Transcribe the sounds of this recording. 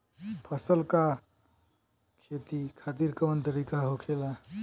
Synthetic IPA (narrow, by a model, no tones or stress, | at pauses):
pʰəsəlka | kʰet̪ikʰat̪iɾkəʋənt̪əɾikaɦokʰela